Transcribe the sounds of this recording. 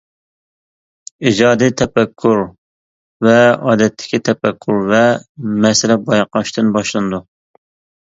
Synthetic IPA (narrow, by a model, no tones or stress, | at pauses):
id͡ʒɑːd̪it̪ʰɛpɛkʲʰːuɾ | vɛɑ̰ːd̪ɛt̪ʰːɪ̥kʲʰit̪ʰɛpɛkʲʰːuɾvɛmɛsɪlɛbɑjqɑʃt̪ɨnbɑʃlˠɨnɨd̪u